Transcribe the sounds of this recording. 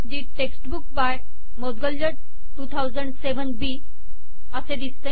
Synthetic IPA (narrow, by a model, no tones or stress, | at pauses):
d͡ʑiʈeksʈbukbaj | mod̪ɡəljəɖ | ʈut̪ʰawzə̃ɳɖseʋəɳɖbi | əsed̪ist̪ə